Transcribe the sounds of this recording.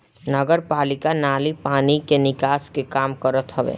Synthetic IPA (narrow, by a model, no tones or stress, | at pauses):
nəɡəɾpaːlɪkanaːlipaːnikenɪkaːskekaːmkəɾət̪ɦəʋḛː